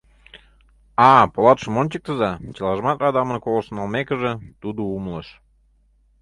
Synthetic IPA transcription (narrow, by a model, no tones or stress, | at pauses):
ɑpolˠɑt̪ʃɤ̆mont͡ɕək̚t̪əzɑt͡ɕəlˠɑʒmɑt̪rɑd̪ɑmə̆nkolə̆ʃənɑlmekə̆ʒə̆t̪ud̪oumləʃ